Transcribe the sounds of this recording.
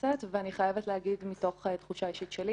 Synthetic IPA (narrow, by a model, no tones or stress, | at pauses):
at̪veaniχajevetleɦaɡid̪mito̞χet̪χuʃaiʃit̪ʃeli